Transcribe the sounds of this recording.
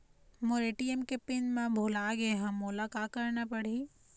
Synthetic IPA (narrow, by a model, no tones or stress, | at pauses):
moɾeːʈiemkepɪnmãbʱoːlaɡeɦə̃moːlakaːkəɾnapəɽ̤i